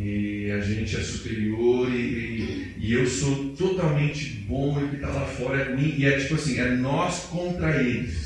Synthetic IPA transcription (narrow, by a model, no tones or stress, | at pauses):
ɛaʒẽnt͡ʃɪɛsupeɾioɾɪɪ | ɪewsot̪ot̪awmẽnt͡ʃɪbõewkɪt̪alafɔɾɐɛmĩɪɛt͡ʃipʊasĩɛnɔskõnt̪ɾaĩmʊs